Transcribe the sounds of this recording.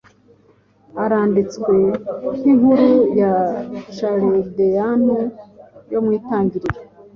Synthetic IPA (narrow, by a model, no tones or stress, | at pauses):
aɾaːndit͡skwe̞hiŋuɾujaʃaɾidejanujo̞mwiːtaːɲɟiɾiɾe